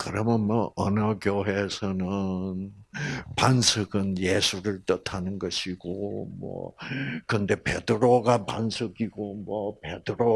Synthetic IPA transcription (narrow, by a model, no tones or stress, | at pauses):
kɯɾʌmjʌnmwʌʔʌnʌkjoɦe̞sʰʌnɯn | pansʰɯɡɯnje̞sʰuɾɯɭt͈ʌtʰanɯnɡʌɕʰiɡomwʌ̰kɯnde̞pe̞̰dɯɾoɡapa̰nsʰɯɡiɡomwʌpe̞dɯɾo